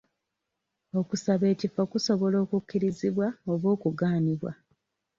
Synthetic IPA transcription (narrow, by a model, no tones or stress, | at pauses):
o̞kusaβe̞ːcifokuso̞βo̞lo̞ːkukːiɾiziβwaoβo̞ːkuɡaːniβwa̰